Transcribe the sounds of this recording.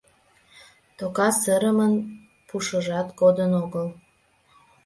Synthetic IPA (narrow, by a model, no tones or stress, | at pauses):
t̪okɑsəɾəmən | puʃəʒɑt̪ɡod̪ənoɣəl